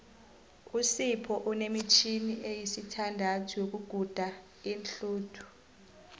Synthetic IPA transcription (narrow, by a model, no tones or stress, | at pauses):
usipʰɔʔunemit͡ʃʰiniʔejisitʰandʱatʰujok̬uɡ̥ʱud̥ʱa | inɬuːtʰu̥